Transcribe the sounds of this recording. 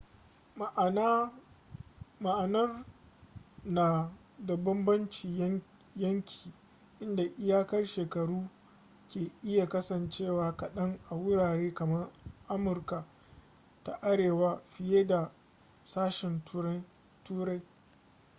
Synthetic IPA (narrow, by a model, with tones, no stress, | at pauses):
ʔna˦ | ma˨ʔa˨nɐ˦r | naː˨ | da˨bɐ˦mbɐ˦nt͡ʃi˨˦ | jɐ˦ŋkʲʰi̥ː˨ | ʔɪ˦nda˨ʔɪ˦jaː˦kɐ˦rʃeː˨kɐ˨ɽuː˦ | kʲeː˨ʔɪ˦ja˨kɐ˦sɐ˨nt͡ʃeː˦˨waː˨kɐ˨ɗɐ˦ŋʔa˨wʊ˦ɽaː˨ɽeː˦kɐ˨mɐ˦rʔa˦mʊ˨rka˨ | ta˨ʔa˦ɽeː˨wa˦ɸɪ˦jeː˦da˨ | saː˦ʃɪ˨n | tuː˦ɾa˦j